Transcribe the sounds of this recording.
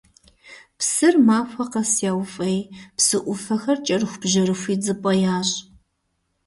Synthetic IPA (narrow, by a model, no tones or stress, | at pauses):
psɨrmaːfʷɐqɐsjaːwfʼejpsɨʔʷʊfɐxɐrt͡ʃʼɐrɨxʷb̥ʒɐɾɨxʷiːd͡zɨpʼɐjaːɕʼ